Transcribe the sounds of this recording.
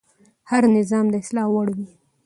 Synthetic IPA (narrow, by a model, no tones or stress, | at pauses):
haɾnɪzɑmd̪əɪslɑwaɽwi